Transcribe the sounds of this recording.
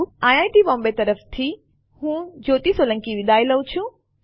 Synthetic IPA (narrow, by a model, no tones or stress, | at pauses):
aːjaːiʈiɓɔ̃ːmbet̪ɐɾəft̪ʰi | hũːd͡ʑoːt̪isolɐ̃ŋkiʋɪd̪ʱaːɪlɐʊt͡ɕʰũ